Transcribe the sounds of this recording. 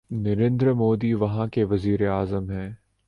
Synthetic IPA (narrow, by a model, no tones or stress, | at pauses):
nɐɾẽːnd̪ɾəmoːd̪iʋɐɦãkeʋɐziːɾeaːzəmɦɛ̃ː